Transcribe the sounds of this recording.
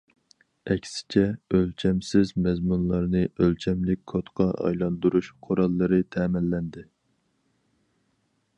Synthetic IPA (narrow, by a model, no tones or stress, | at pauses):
ɛkʲsɪ̥t͡ʃʰɛølt͡ʃʰɛmsɪzmɛzmunlˠɑɾnɨʔølt͡ʃʰɛmlɪk̚ʲkʰot̪qʰɑʔɑ̰jlˠɑnd̪uɾuʃqʰoɾɑlˠːɨɾɨt̪ʰɛːmɪlːɛnd̪ɪ